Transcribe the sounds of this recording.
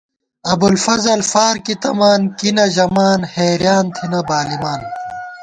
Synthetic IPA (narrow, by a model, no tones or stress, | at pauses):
ɐbulfɐzɐlfaːɾkit̪ɐmaːnkinɐʑɐmaːnheːɾjaːnt̪ʰinɐbaːlimaːn